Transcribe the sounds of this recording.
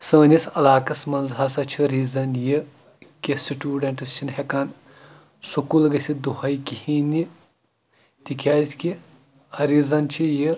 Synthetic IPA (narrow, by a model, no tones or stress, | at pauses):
səːnʲisɐlaːkɐsmɐnzɦɐsɐt͡ʃʰiɾizɐnji | kʲesiʈʲuːɖɐɳʈɐst͡ʃʰinhekaːn | sukulɡɐsʲid̪uhɐjkihini | t̪ikʰʲaːjzʲki | hɐɾizɐnt͡ʃʰijɨ